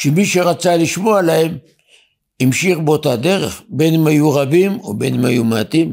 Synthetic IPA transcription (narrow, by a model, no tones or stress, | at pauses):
ʃemiʃeʁat͡saliʃmo̞alahem | imʃiχbot̪ad̪e̞ʁḛχbe̞nmajuʁabimo̰be̞nma̰jumat̪im